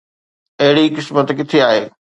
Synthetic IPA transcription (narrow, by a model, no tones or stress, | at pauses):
ɐɦɪɽikɪsmət̪kɪt̪ʰeaːɦeː